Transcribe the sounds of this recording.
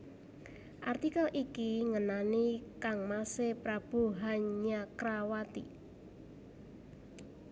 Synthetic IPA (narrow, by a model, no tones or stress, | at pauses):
ʔart̪ikalʔikiŋənanikaŋmasepɾab̥uɦanɲakɾawat̪ḭ